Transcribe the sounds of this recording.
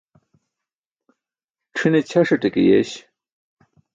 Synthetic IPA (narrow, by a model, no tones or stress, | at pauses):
ʈ͡ʂʰɨnet͡ɕʰaʂəʈ͡ʂəkḛjḛɕ